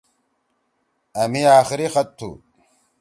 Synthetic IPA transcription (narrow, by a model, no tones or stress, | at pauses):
ɐmiaːxɪɾixɐt̪ʰːṵ